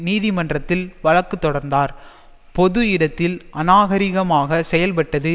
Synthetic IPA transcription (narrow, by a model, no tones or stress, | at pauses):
niːðɪmɐndrɐt̪ːɪlʋɐɭɐkːɯt̪ːɔɽɐɾnd̪aːɾ | pɔðɯɪɽɐt̪ːɪlʔɐnaːɣɐɾɪɣɐmaːɣɐsɛjɐlpɐʈːɐðɯ